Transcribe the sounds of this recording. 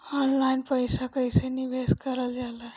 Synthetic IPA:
ɔnlainpəjsakəjsenibeskəɾəld͡ʒala

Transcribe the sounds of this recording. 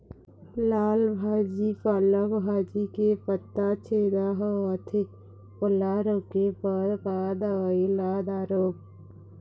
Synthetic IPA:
laːlbʱaːd͡ʒipələkbʱaːd͡ʒikepət̪ːat͡ʃʰeːd̪aɦəət̪ʰe | pʊlaɾokepəbaːd̪ailaːd̪aːɾoːp̚

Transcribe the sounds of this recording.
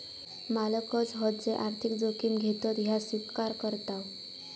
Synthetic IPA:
maləkɔd͡zɦɔtd͡zeʔaɾt̪ʰikd͡zokimɡʱet̪ɔt̪ɦjaswikkaɾkəɾt̪aw

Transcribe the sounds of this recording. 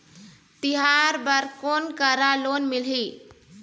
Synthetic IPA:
t̪iɦaɾbəɾkonkəɾalonmilɦi

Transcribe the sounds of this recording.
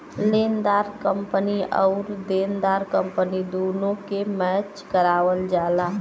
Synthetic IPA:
leːnd̪aːɾkəmpəniɔ̰ːɾd̪eːnd̪aːɾkəmpənid̪oːnõkemɛːt͡ʃkəɾaːʋəld͡ʒaːlaː

